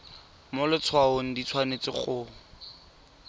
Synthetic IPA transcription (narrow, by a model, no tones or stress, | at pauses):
mʊlɪt͡sʰwaoŋ̩dit͡sʰwanet͡sɪ̰χʼʊː